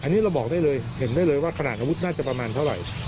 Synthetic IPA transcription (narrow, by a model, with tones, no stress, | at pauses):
ʔa˧nːiː˦˥ɾa˧wbɔː˨˩k̚aː˥˩jlɤː˧jhe˨˩˦ndaː˥˩jlɤː˧jwaː˥˩kʰa˧na̰˨˩t̪ʔaː˧wu˦˥t̪̚naː˥˩t͡ɕa˨˩pɾa˧maː˧nt̪ʰa˥˩wɾa̰˨˩j